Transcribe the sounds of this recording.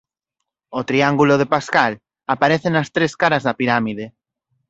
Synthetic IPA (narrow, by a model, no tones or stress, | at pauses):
ot̪ɾiaŋɡuloðepaskal | apaɾeθenɐst̪ɾeskaɾɐzðɐpiɾamiðe